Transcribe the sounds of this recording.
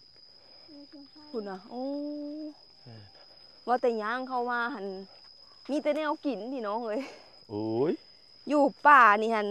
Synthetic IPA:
kʰu˧˩nːa˧˩ʔoː˧˦ | waː˧˩t̪ɛː˨˩ɲaː˧˥˨ŋkʰa˧˩wmaː˧ha˧˨n | miː˧˥˨t̪ɛː˧˦nɛː˧˥˨wki˨˩˦ndiː˧˨nɔ˧˥ŋɤː˧˥˨j | ʔoː˧j | juː˧˩paː˧˩niː˧˩ha˧˩n

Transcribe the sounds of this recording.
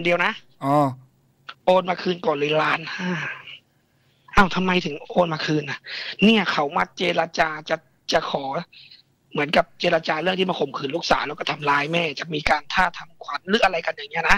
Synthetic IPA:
ndi˧əwna˦˥ʔ | ʔoː˧ | ʔoː˧nmaː˧kʰɯː˧nkɔː˨˩nli˧laː˧˥nʔaː˧˩ | ʔa˧˩wt̪ʰa˧mːa˧jt̪ʰɯ˩˦ŋʔoː˧nmaː˧kʰɯː˧nʔa˧˩niː˥˩ɐkʰa˨˦wmaː˧˩k̚t͡ɕeː˧la˧t͡ɕaː˧t͡ɕa˨˩ | t͡ɕa˨˩kʰɔː˩˦ | mɯ˩˦ənka˨˩p̚t͡ɕeː˧la˧t͡ɕaː˧ɾɯ˥˩˨ŋʰiː˥˩ma˧˩ko˨˩˦mkʰɯː˧˩nluː˥˩k̚saː˩˦lɛː˧˥wkɔː˥˩t̪ʰa˧mlaː˧jmɛː˥˩t͡ɕa˨˩miː˧kaː˧nt̪ʰaː˥˩t̪ʰa˧mkʰwa˧˦nlɯː˨˦ʔa˧ɾla˧jka˧nja˨˩ŋi˦˥ɐ˨na˦˥

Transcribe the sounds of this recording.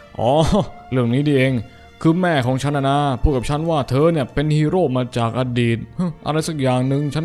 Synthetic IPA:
ʔɔː˨˦ɾɯ˥˩əŋniː˦˥diː˧˩ʔeː˧ŋ | kʰɯː˧mɛː˥˩kʰɔː˩˦ŋt͡ɕʰa˦˥nːʔa˧na˦˧pʰuː˥˩t̪̚ka˨˩p̚t͡ɕʰa˦˥nwaː˥˩t̪ʰɤː˧ni˥˩əpe˧nhiː˧˩ɾoː˥˩p̚maː˧t͡ɕaː˨˩k̚ʔa˧diː˨˩t̪̚hɯː˧˩ʔa̰˧ɾa˧jsa˨˩k̚jaː˨˩ŋnɯ˧ŋt͡ɕʰa˦˥n

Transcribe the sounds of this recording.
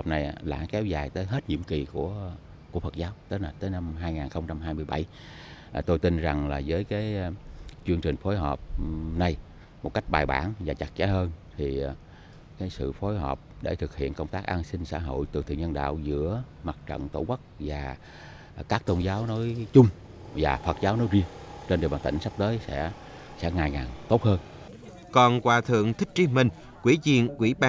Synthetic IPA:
hɔ˨˩p̚na˨˩jla̰ː˧˩˥kɛ˨˦wzaː˨˩jt̪əː˨˦jɦe˦˥t̚ɲḭ˧˥əmki˨˩ku˧˩ə | ku˧˩əfə˨˩t̚zaː˨˦wt̪əː˨˦jnaː˨˩t̪əː˨˦jna˧mɦaː˧jŋaː˨˩nxə˧wŋ͡mt͡ɕa˧mɦaː˧jmɨ˧əjɓa˧˩j | ʔt̪o˧jt̪i˧nza˨˩ŋlaː˨˩zəː˨˦jkaː˨˦j | t͡ɕɨ˧əŋt͡ɕï˨˩ŋ̟fo˨˦jɦɔː˨˩p̚na˨˩j | mo˨˩t̚ka˦˥jk̟̚ɓaː˨˩jɓa̰ː˧˩nvaː˨˩t͡ɕa˨˩t̚t͡ɕa˨˦həː˧nt̪ʰi˨˩ | kaː˨˦jsɨ̰˧˨fo˨˦jɦɔː˨˩p̚ɗe˧˩t̪ʰɨ˨˩k̚hḭ˧˨ənkə˧wŋ͡mt̪aː˦˥k̚ʔaː˧nsï˧ŋ̟sa̰ː˧˥ɦo̰˧˨jt̪ɨ̰˨˩t̪ʰḭ˧˨ɲə˧nɗa̰ː˧˨wzɨ̰˧˥əma˨˩t̚t͡ɕə̰˧˨nt̪o˧˩kə˦˥k̚vaː˨˩ | kaː˦˥k̚t̪o˧nzaː˨˦wnɔ˨˦jt͡ɕʊ˧ŋ͡m | vaː˨˩fə˨˩t̚zaː˨˦wnɔ˨˦jzi˧əŋt͡ɕe˧nɗwɓaː˨˩nt̪i˧˩ŋ̟sa˦˥p̚t̪əː˨˦jsɛ̰˧˥ | sɛ̰˧˥ŋaː˨˩jŋaː˨˩nt̪o˦˥t̚həː˧n | kɔ˨˩nkwaː˧˩t̪ʰɨ̰˧˨əŋt̪ʰï˦˥k̟̚t͡ɕi˨˧˦mï˨˩ŋ̟ | kwi˧˥˦zḭ˧˨ənkwḭ˧˩˥ɓaː˧

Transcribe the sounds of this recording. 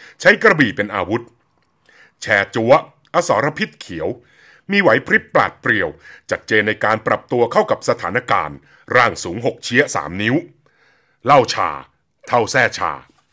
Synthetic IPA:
t͡ɕʰa˦˥jkɾa˧bi˨˩pe˧nʔaː˧wu˦˥t̪̚ | t͡ɕʰɛː˧t͡ɕu˦˥ɐ | ʔa˧sɔː˩˦ɾa˧pʰi˦˥t̪̚kʰi˨˩˦əw | miː˧wa˩˦jpʰɾi˦˥pːla̰ː˨˩t̪̚pɾi˨˩əwt͡ɕa˨˩t̪̚t͡ɕeː˧nːa˧jkaː˧npɾa˨˩p̚t̪u˧ɐkʰa˥˩wka˨˩p̚sa˧t̪ʰaː˩˦na˦˥ka̰ː˧n | ɾaː˥˩ŋsuː˩˦ŋɦo˨˩k̚t͡ɕʰi˦˥ɐsa̰ː˩˦mni˦˥w | la˥˩wt͡ɕʰa̰ː˧ | t̪ʰa˥˩wsɛː˥˩t͡ɕʰa̰ː˧

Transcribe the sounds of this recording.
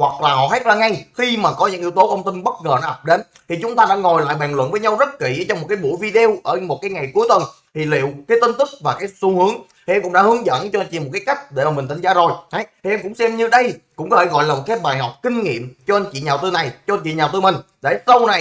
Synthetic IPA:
hwa˨˩k̚laː˨˩ɦɔ̰˧˨ha˦˥t̚zaː˧ŋa˧jxi˧maː˨˩kɔ˨˦ɲɨ̰˧˥ŋʔi˧əwt̪o˨˦kə˧wŋ͡mt̪ï˧nɓə˦˥t̚ŋəː˨˩nɔ˨˦ʔ̪p̚ɗe˨˦n | t̪ʰi˨˩t͡ɕʊ˨˦ŋ͡mt̪aː˧ɗa̰ː˧˥ŋo˨˩jla̰ː˧˨jɓaː˨˩ŋlwə̰˧˨nvəː˨˦jɲa˧wzə˦˥t̚kḭ˧˨ʔt͡ɕɔ˧ŋ͡mmo˨˩t̚kaː˨˦jɓṵ˧˥əjvi˧ɗe˧wʔəː˧˩mo˨˩t̚kaː˨˦ŋa˨˩jku˨˦əjt̪wə˨˩nt̪ʰi˨˩lḭ˧˨wkaː˨˦jt̪i˧nt̪ɨ˦˥k̚vaː˨˩kaː˨˦jsu˧hɨ˨˦əŋt̪ʰi˨ʔɛ˧mkʊ̰˧˥ŋ͡mɗ̰aː˧˦hɨ˨˦ŋzə̰˧˥˨nt͡ɕɔ˧t͡ɕḭ˧˨mo˨˩t̚kaː˨˦jka˦˥jk̟̚ɗe˧˩a˨˧˩mï˨˩ŋ̟t̪ʰŋ̟zaː˧˨˦zo˨˩jha˨˦jt̪ʰi˨˩ʔɛ˧mkʊ̰˧˥ŋ͡msɛ˧mɲɨ˧ɗə˧jkʊ̰˧˥ŋ͡mkɔ˦e˧˩ɣɔ̰˧˨jlaː˨˩mo˨˩t̚kaː˨˦jɓaː˨˩jɦɔ˨˩wk͡p̚kï˧ŋ̟ŋḭ˧˨əmt͡ɕɔ˧ʔa˧nt͡ɕḭ˧˨ɲaː˨˩wt̪ɨ˧na˨˩jt͡ɕɔ˧ɲt͡ɕḭ˧˨ɲaː˨˩wt̪ɨ˧mï˨˩ŋ̟ | ɗe˧˩sə˧wna˨˩j

